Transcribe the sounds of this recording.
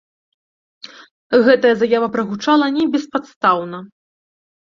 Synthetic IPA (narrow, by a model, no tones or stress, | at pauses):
ɣɛt̪ɐjɐzajavɐpɾɐɣut͡ʂalˠɐnʲɛbʲɛspat̪st̪awnɐ